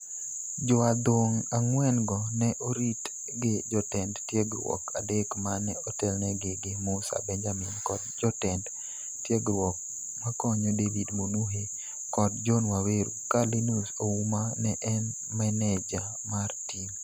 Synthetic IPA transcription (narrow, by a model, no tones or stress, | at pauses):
d͡ʒɔad̪woŋaŋwɛnɡɔnɛʔoɾit | ɡɪd͡ʒɔtɛndtjɛɡɾwɔ̰kʰa̰dekmanɛotɛlnɛɡɪɡɪmʊsa̰bɛnd͡ʒamɪnkɔd̚d͡ʒɔtɛnd | tjɛɡɾwɔk̚ | makɔɲɔdevidmonuɦe | kɔd̚d͡ʒɔnwaweɾṵkalinusoumanɛʔɛn | mɛnɛd͡ʒa | martim